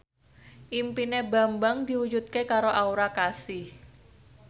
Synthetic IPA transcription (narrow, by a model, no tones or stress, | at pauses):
ʔimpineba̤mbaŋd̪iwud͡ʒut̪̚kekaɾoʔauɾakasɪh